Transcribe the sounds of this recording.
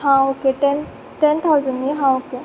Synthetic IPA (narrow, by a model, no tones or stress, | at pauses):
ɦãokeʈɛn | ʈɛnt̪ʰawzənɖiɦãoke